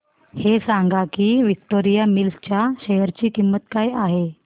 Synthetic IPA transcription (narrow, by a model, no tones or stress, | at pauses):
hesãŋɡakiːʋik̚ʈoɾijamilst͡ɕjaɕejəɾt͡ɕiːkimːət̪kajaɦe